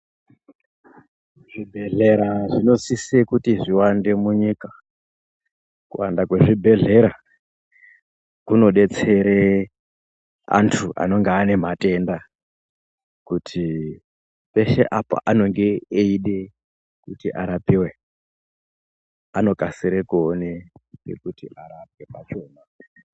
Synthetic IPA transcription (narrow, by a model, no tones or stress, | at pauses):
ʐ̥ibʱe̞ɮe̞ɾaʐino̞sisekutiʐiwande̞muɲika | kṵwandakwe̞ʐibʱe̞ɮe̞ɾa | kuno̞ɗe̞t͡se̞ɾe | a̰ntʰuʔa̰no̞ŋɡeane̞m̤ate̞nda | kutʰi | pe̞ʃe̞ʔapa̰ʔano̞ŋɡe̞ːiɗe̞ | kutiʔa̰ɾapiwe̞ | ano̞kasiɾekuonepḛkutiʔaɾap̚e̞pat͡ʃo̞na